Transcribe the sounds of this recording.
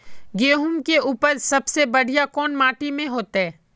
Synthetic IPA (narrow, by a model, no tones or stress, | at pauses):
ɡeːɦʊmkeuːpəɾsɐbsebɐɽ̤ijakɔːnmaːʈimẽɦoːt̪eɦɛː